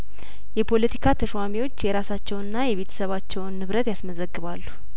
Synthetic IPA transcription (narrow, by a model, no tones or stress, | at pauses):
jɛpʰo̞lət̪ʰi̥kʰat̪ʰəʃwamiwo̞t͡ʃːjɛɾasat͡ʃːɛwɨnːajɛβe̞t̪ʰə̥səβat͡ʃːɛwnːɨβɾət̪jasməzəɡːɨβalːu